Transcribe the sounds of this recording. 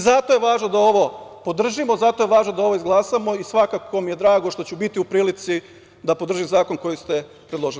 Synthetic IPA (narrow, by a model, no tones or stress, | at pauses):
zat̪o̞je̞ʋaːʒnod̪ao̞ʋo̞po̞d̪r̩ʒimo̞zat̪o̞je̞ʋaːʒnod̪ao̞ʋo̞izɡlˠaːsamo̞isʋakakʰomije̞d̪ɾaːɡo̞ʃt̪o̞t͡ɕubit̪iupɾiːlit̪si | d̪apod̪r̩ʒizaːko̞nko̞jist̪e̞ | pɾed̪lo̞ʒili